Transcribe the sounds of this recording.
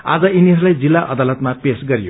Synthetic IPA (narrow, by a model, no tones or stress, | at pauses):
a̰d͡zʌiniɦʌɾulajd͡zilːaʔʌd̪alʌt̪mapesɡʌɾijo